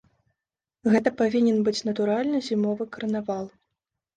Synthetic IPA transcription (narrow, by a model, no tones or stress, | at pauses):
ɣɛt̪ɐpavʲinʲɛnbɨt͡sʲnɐt̪uɾalʲnɨzʲimɔvɨkɐrnavalˠ